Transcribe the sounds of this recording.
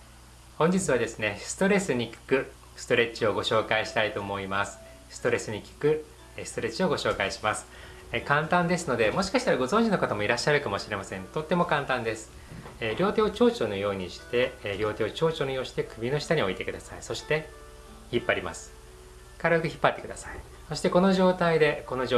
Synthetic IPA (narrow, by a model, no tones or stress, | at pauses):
hõ̞ɲ̟d͡ʑit͡sɨβ̞ad̪e̞sɨne̞sɨ̥t̪o̞ɾe̞sɨɲ̟ikʲi̥kɯ̟ | sɨ̥t̪o̞ɾe̞t͡ɕio̞ɡo̞ɕo̞ːkaiɕi̥t̪ait̪o̞ːmo̞imasɨ̥ | sɨ̥t̪o̞ɾe̞sɨɲ̟ikʲi̥kɯ̟ | sɨ̥t̪o̞ɾe̞t͡ɕio̞ɡo̞ɕo̞ːkaiɕi̥masɨ̥ | kãnt̪ãnd̪e̞sɨno̞d̪e̞mo̞ɕi̥kaɕi̥t̪aɾaɡo̞zõɲ̟d͡ʑino̞kot̪amo̞iɾaɕːaɾɯ̟kamo̞ɕiɾe̞masẽ̞nt̪o̞t̪ːe̞mo̞kãnt̪ãnd̪e̞sɨ̥ | ɾʲo̞ːt̪e̞ːot͡ɕo̞ːt͡ɕo̞ːnojo̞ːɲ̟iɕi̥t̪e̞ɾʲjo̞ːt̪e̞ːo̞t͡ɕo̞ːt͡ɕonojo̞ːɕi̥t̪e̞kɯ̟bʲino̞ɕi̥t̪aɲ̟ioit̪e̞kɯ̟d̪asaiso̞ɕi̥t̪e̞ | çipːaɾʲima̰sɨ̥ | kaɾokɯ̟çi̥pːat̪ːe̞kɯ̟d̪asai | so̞ɕi̥t̪e̞ko̞no̞ʑo̞ːt̪aid̪e̞ko̞no